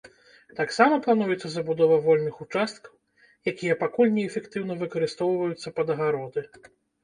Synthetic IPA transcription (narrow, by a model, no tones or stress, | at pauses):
t̪aksamɐplˠan̪ujɛt̪sːɐzɐbud̪ɔvɐvɔlʲnɨxut͡ʂast̪kɐw | jakʲijɐpakulʲnʲɛɛfʲɛkt̪ɨwn̪ɐvɨkɐɾɨst̪ɔwvɐjut̪sːɐpɐd̪ɐɣaɾɔd̪ɨ